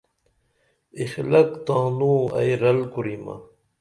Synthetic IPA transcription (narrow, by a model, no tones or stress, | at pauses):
ixlɐkt̪ãːnuːɐ̰jɾɐlkuɾima̰